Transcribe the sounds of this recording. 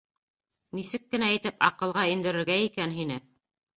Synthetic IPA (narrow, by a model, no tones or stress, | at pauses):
nisɘkːɘ̆næĭt̪ɘpɑ̰qɤ̆lˠʁɑind̪ɘ̆ɾɘ̆ɾɡæikænɦinɘ